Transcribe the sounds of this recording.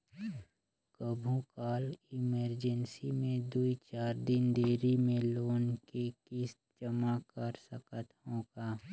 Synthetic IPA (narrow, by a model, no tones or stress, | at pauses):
kəbʱũkaːlɪməɾd͡ʒənsimẽd̪uit͡ʃaːɾd̪ɪnd̪eːɾimẽloːnkekɪs | d͡ʒəmakəɾsəkət̪ɦõːkaː